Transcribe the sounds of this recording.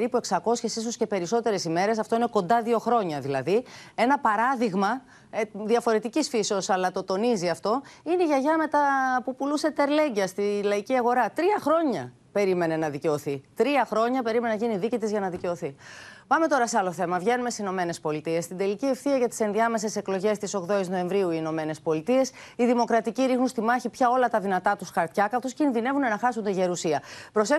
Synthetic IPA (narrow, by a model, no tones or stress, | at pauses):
ɾipue̞ksɐko̞sçesis̬osce̞pe̞ɾiso̞t̪e̞ɾe̞sime̞ɾe̞s̬ɐft̪o̞ine̞ko̞nd̪ɐðio̞xɾo̞ɲɐðilɐ̰ðie̞nɐpɐɾɐðiɣmɐ | ðiɐfo̞ɾe̞t̪icisfiseo̞sɐlɐt̪o̞t̪o̞niziɐft̪o̞ineiʝɐʝɐme̞t̪ɐpupuluse̞t̪eɾle̞ɲɟɐst̪ilɐiciɐɣo̞ɾɐt̪ɾiɐxɾo̞ɲɐ | pe̞ɾime̞ne̞nɐðice̞o̞θit̪ɾiɐxɾo̞ɲɐpe̞ɾimenɐʝiniðicit̪izʝɐnɐðice̞o̞θipɐme̞t̪o̞ɾɐse̞ɐlo̞θe̞mɐvʝe̞numesesino̞me̞ne̞spo̞lit̪ie̞st̪ind̪e̞licie̞fθiɐʝɐt̪i̥se̞nðiɐme̞se̞se̞klo̞ʝe̞st̪iso̞kðo̞izno̞e̞ɱvɾiuiːno̞me̞ne̞spo̞lit̪ie̞siðimo̞kɾɐt̪iciɾixnunst̪imɐçipçɐo̞lɐt̪ɐðinɐt̪ɐt̪usxɐɾt̪çɐkɐt̪oscinðine̞vune̞nɐxɐsund̪eʝeɾusiɐpɾo̞se